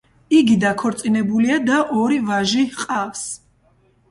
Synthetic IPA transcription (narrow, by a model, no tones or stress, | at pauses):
iɡid̪akʰɔɾt̪sʼinɛbuliad̪aʔɔɾivaʒiqʼafs